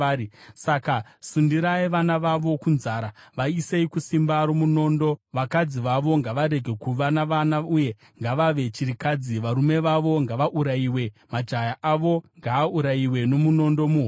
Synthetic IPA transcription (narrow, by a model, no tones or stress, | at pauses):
isakasundiɾaiʋanaʋaʋo̞kunzaːɾaʋaiseikusimbaɾomuno̞ːndo̞ʋakad͡ziʋaʋo̞ŋɡaʋaɾe̞ɡʱe̞kuʋanaʋanauje̞ | ŋɡaʋaʋe̞t͡ʃiɾikad͡ziʋaɾume̞ʋaʋo̞ŋɡaʋaʔuɾaiːwe̞mad͡ʒajaʔaʋo̞ŋɡaːuɾaiwe̞no̞muno̞ndo̞muɦ